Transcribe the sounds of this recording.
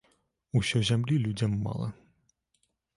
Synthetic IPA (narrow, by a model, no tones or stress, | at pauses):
uɕɔʑɛmlʲilʲud͡ʑʲamːa̰lˠɛ̰